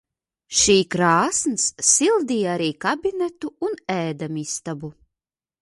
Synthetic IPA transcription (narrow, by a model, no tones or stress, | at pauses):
ʃiːkɾaːsnsːilˠd̪iːjaɾiːkabʲinɛt̪uːnɛːd̪amist̪abu